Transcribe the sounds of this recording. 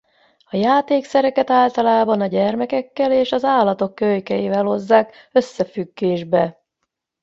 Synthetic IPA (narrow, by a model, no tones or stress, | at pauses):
ɒjaːt̪eːksɛɾɛkɛt̪aːlt̪ɒlaːbɒnɒɟɛrmɛkɛkːɛleːʃɒzaːlːɒt̪o̞kːøjkɛjiːvɛlho̞zːaːk | ø̞sːɛfyɡːeːʒbɛ